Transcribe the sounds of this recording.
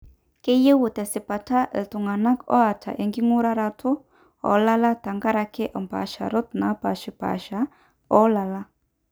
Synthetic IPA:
ke˦je˦wu˨tɛ˨si˨pa˨tʰa˦ʔɛ˨tu˨ŋa˨na˦kɔ̰˦a˨tʰa̰˨ʔe˨ŋɡi˦ŋu˦ɾa˦ɾa˧tʰu˦ | ɔ̰˨˦la˦la˦ta˨ŋɡa˦ɾa˧kɛ˦ʔɔ˨mpa̰˨ʃa̰˨ɾɔ˦t̪na˨˦pa̰˨ʃi˨pa̰˨ʃa˨˦ | ɔ˦la˨la˦

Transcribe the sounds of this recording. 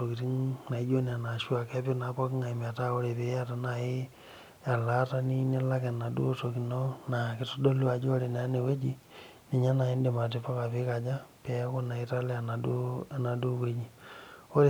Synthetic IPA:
o˨ki˨ti˦ŋna˨i˦d͡ʒo˦ni˨a˨na˨ʃu˦a˨kɛ˦pi˦na˨˦pɔ˦kŋa˨i˨m˨a˨ta˦o˦ɾe˨pe˦a˦ta˨na˨ɪ˦ | a˨la˦ta˦ni˦ni˦la˦kɛ˨na˨dṵ˦to˨ki˨nɔ˦na˨kɪ˦to˦do˦lu˦a˨d͡ʒi˦o˦ɾe˨na˨˦ne˨we˦d͡ʒi˦ | ni˨ɲa˦na˨ɪ˦nde˨ma˨t̬i˨˦pa˦ka˨pɪ˦ka˨d͡ʒa˦pɛ˨˦ko˦na˨ɪ˦ta˦lɛ˦a˨na˨du˦a˨na˨du˦we˦d͡ʒi˨o˦ɾe˨

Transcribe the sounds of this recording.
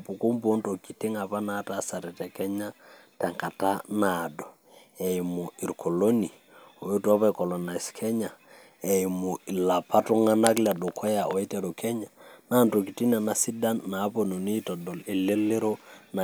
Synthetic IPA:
pu˨ku˦mbo˦nto˨ki˨ti˦ŋa˨pa˦na˦ta˦sa˨ɾɛ˨tɛ˨kɛ˦ɲa˦tɛ˨ŋka˨ta˦na˨dɔ˨ | ɛ˨mu˨i˨ɾkʰo˨lo˦ni˨ | o˨o˦tu˦a˦pa˦kɔ˨lɔ˨na˨i˨skʰɛ˦ɲa˨ | ɛ˨i˨mu˨i˨la˨pʰa˦tu˦ŋa˦na˦kla˨dɔ˨kʰɔ˦ja˨ʔɔ˨i˦tɛ˨ɾo˨kʰɛ˦ɲa˨naː˦nto˨ki˨ti˦na˨na˦si˦da˦nːa˨˦po˨no˨ni˦tɔ˨dɔ˨li˨le˦le˦ɾo˦na˨

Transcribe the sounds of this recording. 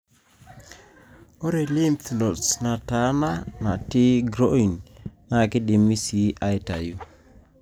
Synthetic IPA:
o˦ɾe˨li˦ntlo˨tsna˨ta˨˦na˦na˨tɪ˦ɡɾo˦i˨nna˦˨kɪ˦dɪ˨mi˦si˨˦ʔa˦ɪ˦ta˨ju˦

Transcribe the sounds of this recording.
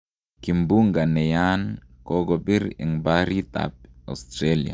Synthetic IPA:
ki˨mbu˦ŋɡa˨nɛ˨ja˦nko˦ɡɔ˨bi˦ɾḭ˨ŋbaɾi˦t̪a̰p̚a̰˨st̪ɾelia̰˨

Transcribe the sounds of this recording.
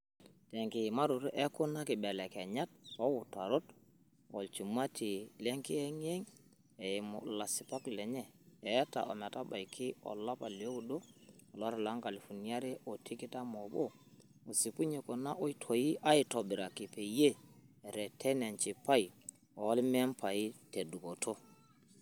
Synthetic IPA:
tɛ˨ŋki˨ma˦ɾu˨ɾʔɛ˦ku˦na˦ki˨bɛ˨lɛ˨kɛ˨ɲa˦t̚ɔ˦wu˨ta˨ɾo˦t | ɔ̰˨lt͡ʃu˨ma˦ti˨lɛ˦ŋki˦ɛ˦ŋ˦ɛ˦ŋ | ɛ˨mo̰˨la˨si˨pa˦klɛ˨ɲɛ˦˨ɛ˨˦ta̰˨ʔɔ̰˨ma˨ta˦ba˨jkʰi˦ɔ̰˨la˦pa˨ljo˦u˨do˦ɔ˨lɔ˦ɾla˦ŋka˨li˨fu˨ni˨˦a˦ɾe˦ʔo˨tʰi˦ki˦ta˦mo˨bo˦ | o˨si˨pu˦ɲe˨ko˨na˦ʔo˦i˦tʰo˨ji˦ʔa˦i˦to˨bi˨ɾa˨ki˨pe˨je˦˨ɾɛ˨tʰɛ˦ne˨nt͡ʃi˨pa˦j | o˨˦lme˦mpa˨i˦te˨du˨ko˨tʰo˦

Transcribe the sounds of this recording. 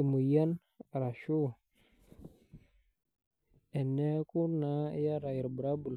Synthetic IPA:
i˨mu˨ja˦n˨ | ɾa˨ʃu˦ | ɛ˨ne˦ku˦na˨˦ja˦ɾa˨ji˨ɾbɾa˦bu˨l

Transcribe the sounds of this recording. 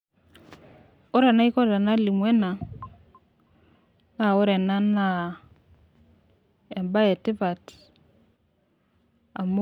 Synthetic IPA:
ɔ˦ɾa˨na˦i˦kɔ˦ta˨na˦li˨mwɛ˦na˨ | na˦˨o˦ɾɛ˨na˦na˦ | e˨mba˦ɛ˨tɪ˦pa˨t | a˨mo˦

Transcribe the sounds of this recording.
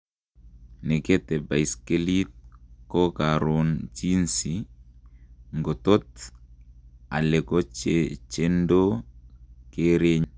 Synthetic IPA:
ne˨ke˦t̪ɛ˨ba˨jske˦li˦t̚kɔ˦ka˨ɾo˨nt͡ʃi˦nsi | ŋɡo˨t̪o˦t | a̰˨le˨ko˦t͡ʃet͡ʃe˦ndo˦ | ke˦ɾe˦ɲ

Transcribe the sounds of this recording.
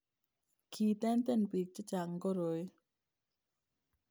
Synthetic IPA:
kʰiː˨t̪ɛ˦nt̪ɛ˦˥˨npi˨k̚t͡ɕə˦t͡ʃa˨ŋkɔ˦˨ɾo˨˦j

